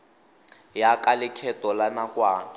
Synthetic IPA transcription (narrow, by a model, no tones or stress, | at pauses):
jakalɪkʰɛtɔlanakwaːn